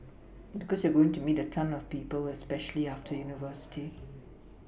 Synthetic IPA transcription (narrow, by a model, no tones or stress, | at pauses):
bikɔsjəɡoɪ̃ŋtumiːtətʰãnɔv̥piːpəlɛspɛʃəl̩iaftʰəjunɪvɜˑ˞sɪ̥tʰi